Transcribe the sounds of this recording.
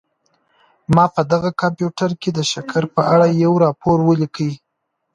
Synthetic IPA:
mɑpəd̪aɣakɑmpjuʈaɾked̪əʃakʰaɾpəʔaɽajawɾɑpoɾwəlikəj

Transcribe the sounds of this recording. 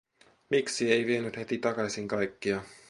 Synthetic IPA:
miksiejʋienyt̪het̪it̪ɑkɑsiŋkɑjkːiɑ

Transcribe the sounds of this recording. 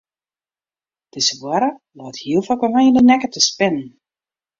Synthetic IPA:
tɪsəvwaɾəlɔːthiəlˠfɔkəmajəndənɛkətəspɪnən̩

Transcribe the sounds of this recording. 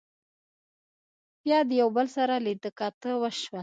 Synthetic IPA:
bjɑd̪əjawbəlsaɾalid̪əkɑt̪əwəʃwa

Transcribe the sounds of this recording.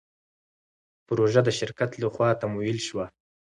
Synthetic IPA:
pɾoʒad̪əʃɪɾkat̪laxwɑt̪amujilʃwa

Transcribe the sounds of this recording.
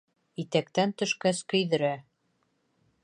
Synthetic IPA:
it̪ækt̪ænt̪ɵ̆ʃkæskɵ̆jðɘ̆ɾæ

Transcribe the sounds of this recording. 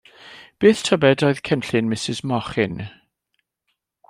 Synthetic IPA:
b̥eːθtʰɔbɛdɔɨð̥kʰɛnɬɪnmɪsɪzmɔχɪn

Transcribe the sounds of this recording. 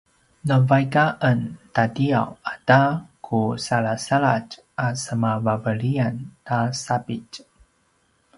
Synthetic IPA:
nəvajkaʔəntadia̰wadakʰusalasaɭat͡ʃ | ʔasəmavavəɭiantasapic

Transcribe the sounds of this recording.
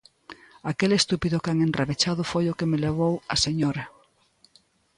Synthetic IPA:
akelest̪upiðʊkaŋendreβet͡ʃaðʊfojʊkemeleβ̞owɐseɲoɾɐ

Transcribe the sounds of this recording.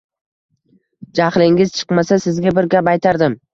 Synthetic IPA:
d͡ʒaχlɪŋɪzt͡ʃʰɨ̥qmasasɪzɡʲabɪɾɡʲapajt̪ʰaɾd̪ɪm

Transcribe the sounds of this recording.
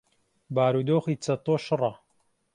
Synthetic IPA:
baːɾuːd̪oːxiːt͡sɐt̪ˤoːʃɨrˤɑ

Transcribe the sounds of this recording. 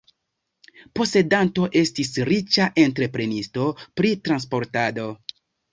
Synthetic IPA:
po̞se̞danto̞ʔe̞stisɾit͡ʃaʔe̞ntɾe̞pɾe̞nisto̞pɾitɾanspo̞ɾtado̞

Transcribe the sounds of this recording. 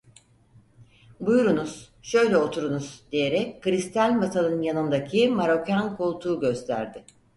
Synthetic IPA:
bujɾunuz̥ | ʃø̞jlʲɛo̞t̪ʰuɾunuz̥d̪eje̞ɾɛckːɯɾist̪ʰælʲbat̪ʰanˠɯnjanɯnd̪acʰimaɾo̞cankʰolˠt̪ʰuːɟø̞st̪ʰæ̰ɾd̪ɪ

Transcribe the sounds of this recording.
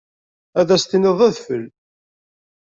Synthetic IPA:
æðæst̪ineðˤæðfəl

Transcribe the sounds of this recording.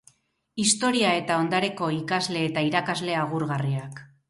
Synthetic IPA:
ist̪o̞ɾiae̞t̪ao̞nd̪aɾe̞ko̞ikazle̞ːt̪aiɾakazle̞aɣuɾɣariak

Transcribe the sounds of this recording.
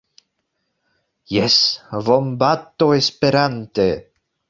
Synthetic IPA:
jesvombat̪ːoespeɾant̪e

